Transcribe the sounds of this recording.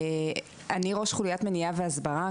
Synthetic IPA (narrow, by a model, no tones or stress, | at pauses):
aniʁo̞ʃχulujat̪menijaveazbaʁa